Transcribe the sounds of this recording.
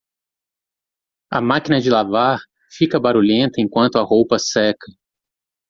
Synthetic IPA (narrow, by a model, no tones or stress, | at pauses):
ɐ̰makinɐd͡ʒɪlavaɾ | fikɐbaɾuʎẽnt̪ɐẽkwɐ̃nt̪ʊɐɦowpɐsɛkʰɐ